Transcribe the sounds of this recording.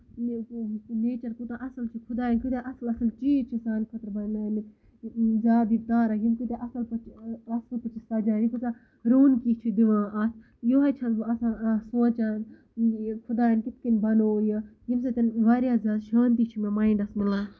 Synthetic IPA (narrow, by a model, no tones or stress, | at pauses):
mkukuneːt͡ʃɐɾkut̪ãːʔɐsɐlt͡ʃʰikʰʊd̪aːɐnkut̪eʔɐsɐlɐsɐlt͡ʃiːt͡ʃʰisaːnkʰɐt̪ɾbɐnnaːni | zaːd̪it̪ãːɾɐjimkut̪eʔɐsɐlpɐt͡ʃɐsɐlpɐt͡ʃʰisɐd͡ʒãːjikusãː | ɾoːnkiːt͡ʃʰid̪iʋãːʔɐt̪ʰ | joːɦat͡ʃʰɐɐsãːsoːt͡ʃaːn | kʰʊd̪aːɐnkit̪kinbɐnoːjɐjims̬et̪ɐnʋaɾjaːzaːd̪ʃaːnt̪it͡ʃʰimemaːiɳɖɐsmilãː